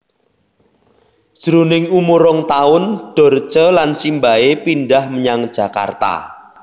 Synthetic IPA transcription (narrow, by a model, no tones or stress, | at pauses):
d̥ʒ̥ɾunɪŋumuɾɔŋt̪aʊnɖ̥ɔ̤rt͡ʃəlansimbaepinɖahməɲaŋd̥ʒ̥a̤ka̰rt̪a̰